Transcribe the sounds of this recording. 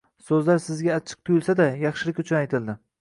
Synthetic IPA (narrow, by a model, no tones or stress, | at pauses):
sɵzlaɾsɪzɡʲaːt͡ʃʰɨ̥q̚t̪ʰʊjʊlˠsad̪ajɑχʃɪlɪkʲʊt͡ʃʰʊnajt̪ʰɪld̪ɪ